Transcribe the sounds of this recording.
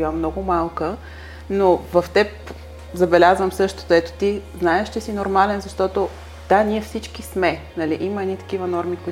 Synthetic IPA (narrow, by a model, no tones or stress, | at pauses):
iəmnɔɡʊmalˠkə | novɐft̪ɛp | zɐbɛlʲazvəmsɤʃt̪o̥t̪ɛt̪o̥t̪iznaɛʃt͡ʃɛsinoɾmalɛnzɐʃt̪ɔt̪o | d̪̥anʲiɛfsit͡ʃkismɛ | nɐliʔiməɛnit̪ɐ̥k̟ivənɔɾmikoi